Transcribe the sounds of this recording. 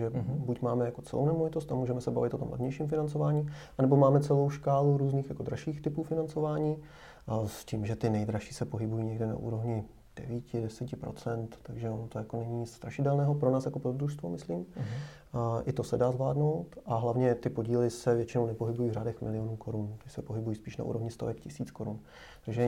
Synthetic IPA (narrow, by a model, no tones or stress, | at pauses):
ʒɛbucmaːmɛjako̞t͡sɛ̰lownɛmovɪt̪ost̪amuːʒɛmɛsɛba̰vɪt̪ot̪o̞mlɛ̰vɲɛjʃiːmfɪnant͡sovaːɲiːʔanɛbo̞maːmɛt͡sɛlo̞wʃkaːluɾuːzniːxjako̞d̪ɾaʃiːxt̪ɪpuːfɪnant͡sovaːɲiː | sciːmʒɛt̪ɪnɛjd̪ɾaʃiːsɛpo̞ɦɪbujiːɲɛɡdɛna̰ʔṵːɾo̞vɲɪ | d̥ɛ̰viːcɪdɛsicɪpɾo̰t͡sɛnt̪t̪aɡʒɛonot̪ojakonɛɲɪɲɪt͡sst̪ɾaʃɪdɛlnɛːɦopɾonaːsjako̞pɾozd̪ɾuʃst̪vomɪsliːm | ʔɪt̪o̞sɛdaːzvla̰ːdno̞wt̪ʔaɦlavɲɛt̪ɪpo̞ɟiːlɪsɛvjɛt͡ʃɪnownɛpo̞ɦɪbujiːvraːdɛxmɪ̰lɪjonuːko̞ɾunt̪ɪsɛpoɦɪbujiːspiːʃna̰ʔṵːɾo̞vɲɪst̪ovɛkcɪsiːt͡skoɾun | t̪aɡʒɛ